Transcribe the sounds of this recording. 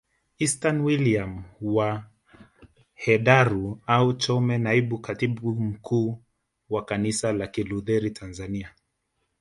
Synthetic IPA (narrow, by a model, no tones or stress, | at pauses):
istanwiliamwa | hɛɗaɾuaut͡ʃɔmɛnaiɓukatiɓum̩kʰuː | wakanisalakiluðɛɾitʰanzania